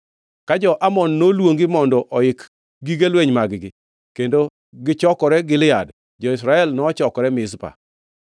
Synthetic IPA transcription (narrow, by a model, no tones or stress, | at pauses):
kad͡ʒɔʔamɔnːolwoŋɡɪmɔndɔʔɔɪk | ɡiɡelweɲmaɡɪɡɪ | kendo | ɡɪt͡ʃɔkɔɾɛɡɪlɪjad | d͡ʒɔɪs̬ɾaɛlnɔːt͡ʃɔkɔɾɛmɪspa̰